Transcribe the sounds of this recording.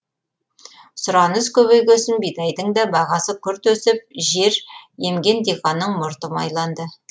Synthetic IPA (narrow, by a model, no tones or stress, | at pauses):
sʊɾɑnəzkʲʰɵβekʲɵsɪmbijd̪ɑjd̪əɴd̪ɑbɑʁɑsəkʲʰʏɾt̪wɵsɪp̚ʒe̞ɾje̞mɡʲe̞nd̪iqɑnːəɴmʊɾt̪əmɑ̰jlˠɑnd̪ə